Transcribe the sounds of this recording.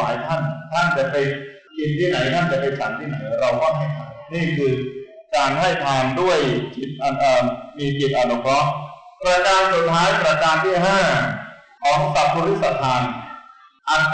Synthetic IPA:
aː˩˦jt̪ʰa˥˩nt̪ʰa˥˩nt͡ɕa˨˩ʔpa˧j | ki˧nt̪ʰiː˥˩na˩˦jt̪ʰa˥˩nt͡ɕa˨˩pa˧jt͡ɕʰa˩˦nt̪ʰiː˥˩na˩˦jɾa˧wkɔː˥˩ŋɦa˥˩jt̪ʰaː˧mniː˥˩kʰɯː˧ | kaː˧nɦa˥˩jt̪ʰaː˧ŋdu˥˩əjt͡ɕʰi˦˥t̪̚ʔa˨˩ʔaː˨˩miː˧ki˨˩t̪̚ʔaː˨˩lɔ˨˦˥kʰɾɔ˦˥ʔpɾaː˧kaː˧nsu˨˩t̪̚ʰːaː˦˥jpɾa˧kaː˧nt̪ʰiː˥˩ɦaː˥˩ | ʔɔː˨˩k̚sa˨˩p̚ʰːu˧ɾi˦˥t̪̚sa˧˩t̪ʰːaː˧n | ʔa˨˩t̪̚

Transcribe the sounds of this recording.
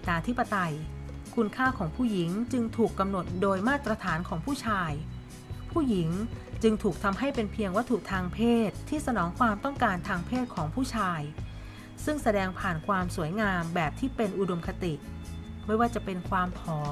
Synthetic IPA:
naː˧t̪ʰi˦˥pːa˧t̪a˧jkʰu˧nkʰaː˥˩kʰɔː˩˦ŋpʰuː˥˩ji˩˦ŋt͡ɕɯ˧ŋt̪ʰuː˨˩kːa˧mno˨˩t̪̚doː˧jmaː˥˩t̪ːɾa˧t̪ʰaː˩˦nkʰɔː˩˦ŋpʰuː˥˩t͡ɕʰaː˧j | pʰuː˥˩ji˩˦ŋt͡ɕɯ˧ŋt̪ʰuː˨˩k̚t̪ʰa˧mɦa˥˩jpe˧npʰi˧əŋwa˦˥t̪ʰːu˨˩t̪ʰaː˧ŋpʰeː˥˩t̪ʰːiː˥˩sa˧nɔː˩˦ŋkʰwaː˧mt̪ɔ˥˩ŋkaː˧nt̪ʰaː˧ŋpʰeː˥˩t̪̚kʰɔː˩˦ŋpʰuː˥˩t͡ɕʰaː˧j | sɯ˥˩ŋsa˧dɛː˧ŋpʰaː˨˩nkʰwaː˧msu˩˦əjŋaː˧mbɛː˨˩p̚t̪ʰiː˥˩pe˧nʔu˨do˧mkʰa˧t̪i˨˩ma˥˩jwaː˥˩t͡ɕa˨˩pe˧nkʰwaː˧mpʰɔː˨˩˦

